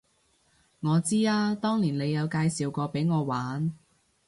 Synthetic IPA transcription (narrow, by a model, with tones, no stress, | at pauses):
ŋɔː˨˧t͡siː˥aː˥t̪ɔː˥ŋliː˨˩nle˨˧jɐ˨˧wkaː˧jsiː˨wkɔː˧pe˨˥jŋɔː˨˧waː˨˥n